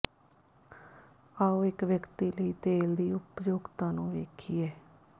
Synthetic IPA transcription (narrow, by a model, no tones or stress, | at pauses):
aːoːɪkʋjəkt̪iːləiːt̪eːld̪iːʊpd͡ʒoːɡt̪ãːnũːʋeːkʰiːɛː